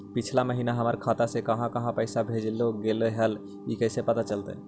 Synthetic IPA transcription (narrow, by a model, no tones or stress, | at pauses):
pɪt͡ʃʰlaməɦiːnaɦəməɾkʰaːt̪asekɐɦãkəɦãpɛɪsabʱeːd͡ʒloɡeːleɦəl | ikɛːsepət̪at͡ʃəlt̪ḛ